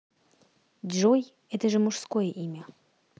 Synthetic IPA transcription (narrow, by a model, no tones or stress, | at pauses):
dʒoj | ɛt̪əʐɨmuʂskojəʔimʲə